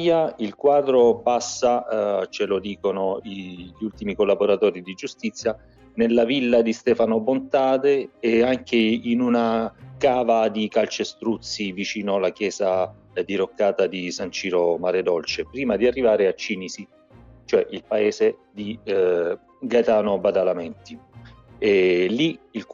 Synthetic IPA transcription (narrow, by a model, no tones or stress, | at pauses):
jailkwaːd̪ɾopasːat͡ʃelod̪iːkonoiʎult̪imikolːaboɾat̪ɔːɾid̪id͡ʒust̪it̪sːja | nelːavilːad̪ist̪ɛːfanobont̪aːd̪eːaŋkeinunakaːvad̪ikalt͡ʃest̪ɾut̪sːivit͡ʃiːnoalakjɛːza | d̪iɾokːaːt̪ad̪isant͡ʃiːɾomaɾed̪ɔlt͡ʃepɾiːmad̪iarːivaːɾeat͡ʃːinizi | t͡ʃoɛʔilpaeːzed̪i | ɡat̪aːnobad̪alamɛnt̪i | ɛliil